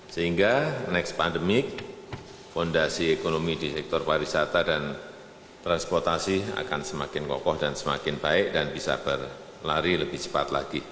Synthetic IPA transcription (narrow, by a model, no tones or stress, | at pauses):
səɦiŋɡanɛkspandəmɪk̚ | fɔndasiekonomidisɛk̚t̪ɔrpaɾisat̪adan | t̪ɾanspɔrt̪asia̰ka̰nsəmakɪnkɔ̰kɔhdansəma̰kɪnb̥aɪk̚danb̥isa̰b̥ər | laɾiləb̥ɪht͡ʃə̥pa̰t̪laɡ̥i